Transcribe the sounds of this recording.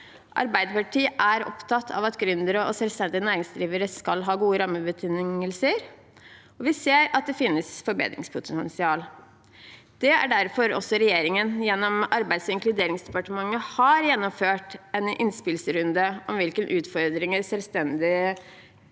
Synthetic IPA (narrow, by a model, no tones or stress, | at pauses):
ʔɑ̰ɾbæɪd̪əpɑʈʰiːʔæɾɔ̰pt̪ʰɑt̪ʰːɑ̰ːʋɑt̪ɡɾʉnd̪əɾəɔsɛlst̪ɛnd̪ɪənæːɾɪŋsd̪ɾiːʋəɾəskɑlɦɑːɡuːəɾɑmːəbət̪ʰɪŋŋəlsəɾ | ɔʋɪseːɾɑt̪̚d̪ɛfɪnːəsfɔɾbḛːd̪ɾɪ̰ŋspʰʊt̪ʰɛɛnsɪɑːl | d̪̥ɛæ̰ɖæɾfɔɾɔ̰sːɔɾɛjeːɾɪŋənjɛnːɔmɑɾbæɪd̪sɪŋklʉd̪eːɾɪŋsd̪ɛpɑʈəmɑŋːəhɑɾjɛnːɔmføːʈɛnʔɪ̰nspɪlsəɾʉnd̪əʔɔmʋɪlkənʔʉːt̪fɔɾd̪ɾɪŋəɾsɛlst̪ɛnd̪ɪ